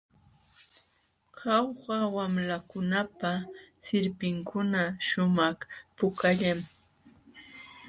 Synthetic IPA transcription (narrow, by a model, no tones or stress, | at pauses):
ɢɑwɢawamlakʊnapasɪɾpɪŋkʰʊnaʃʊmɑχpʊkaʎam